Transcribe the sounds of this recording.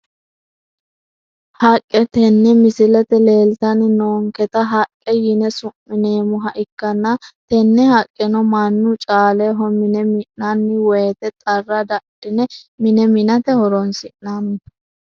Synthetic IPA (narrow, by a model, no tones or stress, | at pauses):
hɐkʼːɛt̪ɛnːɛmɪsɪlɛt̪ɛle̞ːlt̪ɐnɪnoːŋkɛt̪ɐɦɐkʼːɛjɪnɛsʊmːɪneːmʊɦɐʔɪkːɐnːɐt̪ɛnːɛhɐkʼːɛnɔmɐnːʊt͡ʃʼaːlɛɦɔmɪnɛmɪʔnɐnːɪwɔjɛt̪ɛt̪ʼɐrːɐd̪ɐʔd̪̥ɪnɛmɪnɛmɪnɐt̪ɛhɔɾɔnsɪʔnan